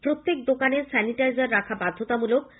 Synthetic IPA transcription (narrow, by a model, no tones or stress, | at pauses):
pɾot̪ːek̚d̪okaneɾsɛniʈajzaɾːakʰabad̪ʱːot̪amulok